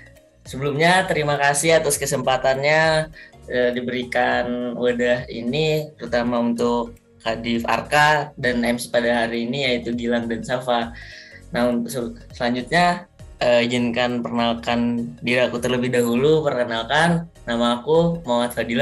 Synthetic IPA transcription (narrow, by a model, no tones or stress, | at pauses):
səbəlumɲat̪əɾimakasɪɦat̪ʊskəsəmpat̪anɲa | ədibəɾikanwadaɦḭnit̪əɾut̪amaunt̪ʊk | hadɪfa̰rkadanɛmspadaɦaɾiːnijait̪uɡilaŋdansafa | nausəsəlaɲd͡ʒut̪̚ɲaəid͡ʒɪnkanpərnalkandiɾaːkut̪ərləbɪhdaɦulupərkənalkanː | amaːkumawat̪̚fadila